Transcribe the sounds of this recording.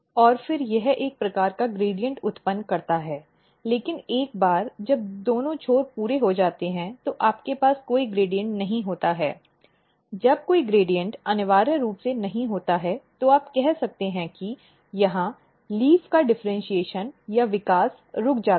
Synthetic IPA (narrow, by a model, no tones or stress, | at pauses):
ɔːɾfɪɾjɛɦeːk̚pɾɐkaːɾkaɡɾeːɖijə̃ɳʈʊt̪pənːkɐɾt̪aɦɛː | leːkɪneːk̚baːɾd͡ʒɐb̚d̪oːnõt͡ʃʰoːɾpuːɾeɦod͡ʒaːt̪eɦɛ̃t̪oʔaːpkepaːskoːiɡɾeːɖijə̃ɳʈnɐɦĩɦoːt̪aɦɛ̰ː | d͡ʒɐb̚koːiɡɾeːɖijə̃ɳʈɐnɪʋaːɾəɾuːpsenɐɦĩɦoːt̪aɦɛt̪oaːpkɛɦsɐk̚t̪eɦɛ̃ki | jɐɦã | liːfkaɖɪfɾə̃nʃieːʃənjaʋɪkaːs | ɾʊkʰd͡ʒaː